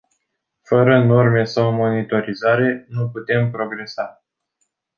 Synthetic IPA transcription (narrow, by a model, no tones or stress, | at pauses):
fəɾəno̞rme̞sawmo̞nit̪o̞ɾizaɾe̞nuput̪e̞mpɾo̞ɡɾe̞sa